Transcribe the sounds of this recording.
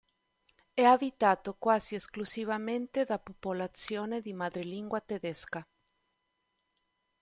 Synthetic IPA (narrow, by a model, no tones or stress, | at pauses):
ɛabit̪aːt̪okwaːziesklusivament̪ed̪apopolat̪sjoːned̪imad̪ɾeliŋɡwat̪ed̪ɛska